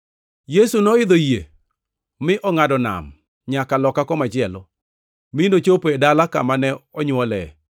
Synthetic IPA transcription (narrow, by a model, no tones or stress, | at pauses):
jesunɔɪd̪ojḛ | mɪʔɔŋadɔna̰m | ɲakalɔkakɔmad͡ʒɪɛlɔ̰ | minot͡ʃopedalakamanɛɔɲwɔlɛ